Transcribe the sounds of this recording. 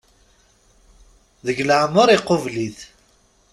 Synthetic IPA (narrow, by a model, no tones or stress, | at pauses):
ðəʝləʕmːəɾˤiqːovliθ